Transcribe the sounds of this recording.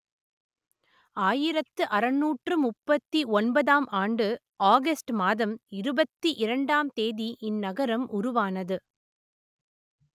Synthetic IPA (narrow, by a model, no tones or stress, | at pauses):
aːjɪɾɐt̪ːɯʔɐɾɐnːuːʈrɯmʊpːɐt̪ːiʔɔnbɐðaːmʔaːɳɖɯ | ʔaːɣɐsʈmaːðɐmɪɾɯbɐt̪ːiʔɪɾɐɳɖaːmt̪eːðiʔɪnːɐɣɐɾɐmʔʊɾʊʋaːnɐðɯ